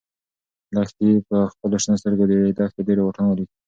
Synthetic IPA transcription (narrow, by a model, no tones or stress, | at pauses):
lɑxt̪ipəxpəloʃnəst̪əɾɡod̪eed̪ɑxt̪edeɾewoʈanaɾi